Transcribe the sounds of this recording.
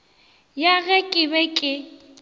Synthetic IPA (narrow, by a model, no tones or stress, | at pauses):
jaɣɛkʼɪbɛkʼɪ